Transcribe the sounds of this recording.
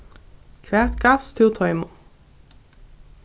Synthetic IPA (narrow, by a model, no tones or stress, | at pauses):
kʰʋæːt̪ɡɑfst̪ʰɪʊt̪ʰɔʏmʊ